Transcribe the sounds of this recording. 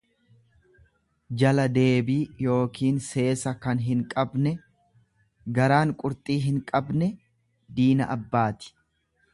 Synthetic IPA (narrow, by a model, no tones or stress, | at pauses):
d͡ʒɐlɐd̪e̞ːbiːjo̞ːkiːnse̞ːsɐkɐnɦɪŋkʼɐbnɛ | ɡɐɾaːŋkʼʊɾt̪ʼiːɦɪŋkʼɐbnɛ | d̪iːnɐ̰ʔɐbːaːt̪ɪ̥